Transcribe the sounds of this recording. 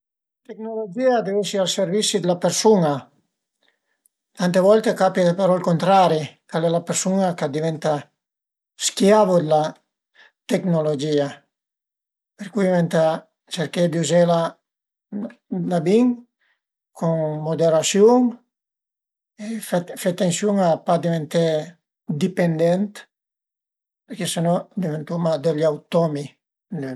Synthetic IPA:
t̪ek̚nolod͡ʒiad̪evesialseɾvisid̪elapeɾsuna | t̪ant̪evɔlt̪ekapjapeɾɔlkont̪ɾaɾikalɛlapeɾsunakad̪ivɛnt̪a | skjavod̪ela | t̪eknolod͡ʒia | peɾkujvɛnt̪a | t͡ʃeɾked̪iuzela | labiŋ | kʰuŋmod̪eɾasjuŋ | efet̪ːensjuŋapad̪ivent̪e | d̪ipend̪ɛnt̪ | peɾkesenɔd̪ivent̪umad̪elawt̪ɔmi

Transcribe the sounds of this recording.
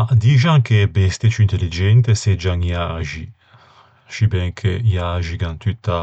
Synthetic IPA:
ad̪iʒãŋkebest̪et͡ʃint̪elid͡ʒɛnt̪esed͡ʒãŋjaːʒi | ʃibɛ̃ŋkʰejaʒiɡãnt̪yt̪a

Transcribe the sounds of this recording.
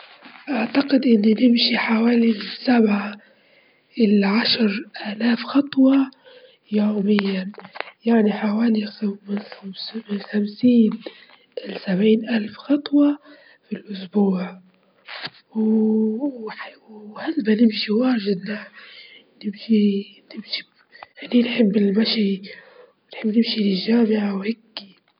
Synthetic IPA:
ʔaʕt̪aqɪd̪ʔɪnːinɪmʃiħawaːlisabʕa | ʔɪlʕaʃɾʔaːlaːfxɑt̪ˤwɑ | juːmɪjːanjaʕniħawaːlimɪnmsmɪnxamsiːn | ʔɪlsabʕiːnʔalfxɑt̪ˤwɑ | filʔʊsbuːʕ | w | ħhalbanɪmʃiwaːɾʒɪd̪na | nɪmʃinɪmʃi̥ | ninħɪbːɪlmaʃiwɪnħɪbːnɪmʃilɪʒaːmɪʕawhaɡːi

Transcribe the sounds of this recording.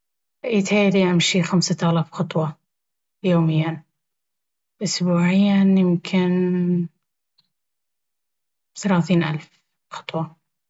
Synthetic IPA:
ʔiːt̪haːliʕamʃixamsat̪aːlɑbxɑt̪ˤwɑ | joːmɪjːan | bʔʊsbuːʕɪjːanjɪmkʰɪn | θalaːθiːnʔa̰lf | xɑ̥t̪ˤwɑ

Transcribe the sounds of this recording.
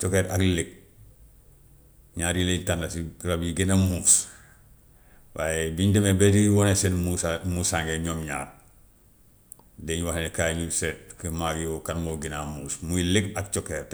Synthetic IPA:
t͡ʃokeːɾakliɡ̚ | ɲaːɾjiletandasiɾabjiɡinamuːs | wajebiɲdemebetiwonesenmusmusaŋɡeɲoːmɲa̰ːɾ | deɲuwahenekaɲuset̚kimaɡjokanmoɡinamuːsmuiliɡakt͡ʃokeːɾ

